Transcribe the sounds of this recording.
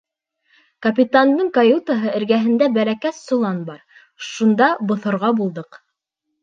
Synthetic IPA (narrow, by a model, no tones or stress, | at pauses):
kɐpʲit̪and̪ɤɴkɐjut̪aɦɤɘ̆ɾɡæɦɘ̆nd̪æbælækæsːŏlˠɑnbɑɾ | ʃund̪ɑbŏθŏɾʁɑbulˠd̪ɤq